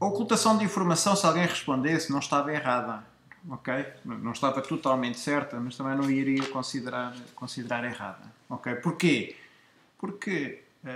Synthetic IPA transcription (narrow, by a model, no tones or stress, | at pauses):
ɐɔkulˠt̪ɐsɐ̃w̃d̪ĩfuɾmɐsɐ̃w̃salˠɣɐ̃j̃ʁɨʃpõnd̪esnɐ̃w̃ʃt̪avɐiʁaðɐ | ɔkej̪nɐ̃w̃ʃt̪avɐt̪ut̪alˠmẽnt̪sɛɾt̪ɐmɐʃt̪ɐ̃mɐ̃j̃nɐ̃w̃iɾiɐkõsiðɨɾaɾkõsiðɨɾaɾiʁa̰ðɐɔkejpuɾke | puɾkɨ